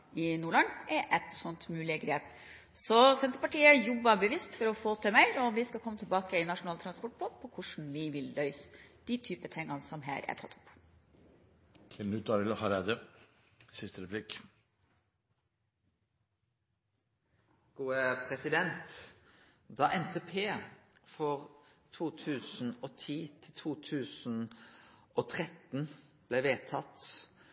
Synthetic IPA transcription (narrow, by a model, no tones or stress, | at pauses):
ɪnuːɭɑnɛʔɛt̪sɔnt̪mʉːlɪəɡɾeːp | sɔsɛnt̪ɾəpɑʈiːəjɔbɑbəʋɪst̪fɔɾɔfoːt̪ʰɪlmæɪɾɔʋɪskɑlkɔmːət̪ʰɛlbɑːkəɪnɑʂʊnɑlt̪ʰɾɑnspɔʈ̚blɑnpʰɔkʰʊʂɳ̩ʋɪʋɪlːœʏsə̥d̪̥ɪt̪ʰyːpət̪ʰɛŋːɑnəsɔmɦæ̰ːɾʔæ̰ʈʰɑ̰t̪ʰːʊ̥p | k̪ʰɪnʉːt̪ɑɾɪlhɑɾæd̪ə | sɪst̪əɾɛpʰlɪk | ɡ̥uːəpʰʁɛsɪd̪ɛnt̪ | d̪ɑːʔɛnt̪ʰeːpʰeːfɔʁ | t̪ʰuːt̪ʰʉːsn̩oːt̪ʰiːt̪ʰɪlt̪ʰuːt̪ʰʉːsn̩ | ʔoːt̪ʰʁɛt̪n̩b̥leːʋeːt̪ʰɑt̪